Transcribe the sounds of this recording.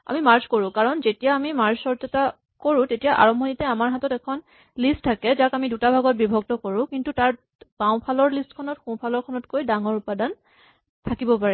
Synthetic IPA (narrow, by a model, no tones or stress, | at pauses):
a̰mimaɹzkoɹʊ̃kaɹɔnzetijaːmimaɹzsɔɹtɛta | koɹʊ̃tetijaʔa̰ɹɔmbʱonitɛamaɹɦatɔtɛkʰɔn | listʰakɛzakamidutabʱaɡɔt̚bibʱɔɡ̚tɔkoɹʊ̃kintutaɹ | baʊ̃pʰalɔɹlistkʰɔnɔtxũpʰalɔɹkʰɔnɔtkojdaŋɔɹupadan | tʰakibɔpaɹɛ